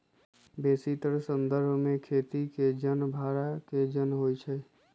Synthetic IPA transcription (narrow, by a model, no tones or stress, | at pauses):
besit̪əɾsənd̪əɾbʱmekʰet̪iked͡ʒənbʱaɾaked͡ʒənɦojt͡ʃʰə